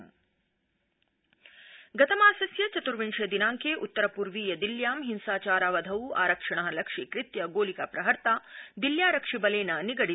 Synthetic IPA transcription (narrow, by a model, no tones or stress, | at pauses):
ɡɐt̪ɐmaːsɐsjɐt͡ʃɐt̪uɾʋiɳʂjɐd̪inaːŋkeːʔut̪ːɐɾɐpuɾʋiːjɐd̪iljaːmɦinsaːt͡ʃaːɾaːʋɐd̪ʱɐwa̰ːɾɐkʂɐɳɐɦɐlɐkʂikɾɪt̪jɐɡoːlikapɾɐɦɐɾt̪aːd̪iljaːɾɐkʂibɐleːnɐniɡɐɽi